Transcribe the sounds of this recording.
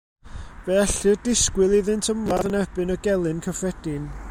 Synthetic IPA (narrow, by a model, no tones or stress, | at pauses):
vɛaɬɨdɪskwɪlˠiðɨntʰəmaðənɛbɨnəɡɛlˠɨnkʰəfrɛd̥ɪn